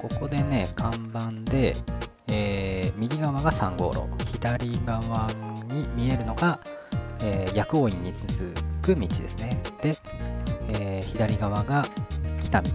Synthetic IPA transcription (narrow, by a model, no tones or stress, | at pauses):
ko̞ko̞d̪e̞ne̞kʰãmbãnd̪e̞ | eːmʲiɾʲiɡaβaɡasãŋɡo̞̰ːɾo̞̰kɯçid̪aɾʲiɡaβaɲ̟imʲie̞ɾɯ̟no̞ɡa | eːjakɯ̟oĩɲ̟ːit͡sɨzɨkɯ̟mʲit͡ɕid̪e̞̰sɨned̪̥e̞ | eːçid̪aɾʲiɡaβaɡakʲi̥t̪amʲi